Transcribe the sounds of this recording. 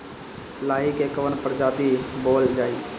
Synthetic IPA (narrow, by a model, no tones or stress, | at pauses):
laːɦikeːkəʋənpəɾd͡ʒaːt̪iboːld͡ʒaːiː